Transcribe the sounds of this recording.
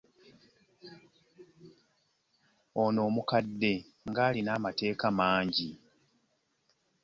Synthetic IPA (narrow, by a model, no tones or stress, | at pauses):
ono̞ːmukadːe̞ | ŋɡaːlinaːmate̞ːkamaːɲɟi